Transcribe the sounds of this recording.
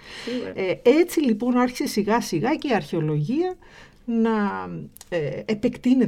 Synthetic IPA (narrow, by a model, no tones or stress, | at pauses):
e̞t͡silipo̞nɐɾçi̥se̞siɣɐsiɣɐce̞iɐɾçe̞o̞lo̞ʝiɐ | nɐ | epe̞kt̪ine̞